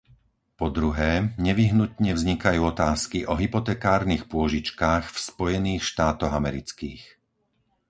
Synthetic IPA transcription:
pɔd̪ɾuɦɛːɲɛʋiɦnut̪ɲɛvzɲikajuːɔt̪aːskiʔɔɦipɔt̪ɛːkaːɾnixpʊɔʒit͡ʃkaːxfspɔjɛniːxʃt̪aːt̪ɔɣamɛɾit͡skiːx

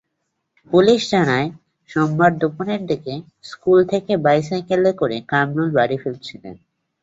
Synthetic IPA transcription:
puliʃd͡ʑanae | ʃɔmbaɾd̪uponeɾd̪ike | skult̪ʰekebajs̬ajkelekoɾekamnolbaɾifelt͡ɕʰilḛn

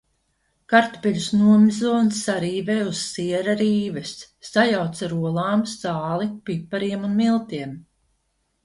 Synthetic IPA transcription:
kaɾt̪pɛʎʲusnuɔmizɔːnsːaɾiːvɛːussiɛɾaɾiːvɛsː | ajawt̪saɾuɔlˠaːmst̪aːlˠipipːaɾiɛmunmilˠt̪iɛm

